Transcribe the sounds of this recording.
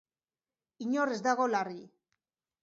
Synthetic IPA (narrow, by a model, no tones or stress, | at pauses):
iɲore̞zd̪aɣo̞lari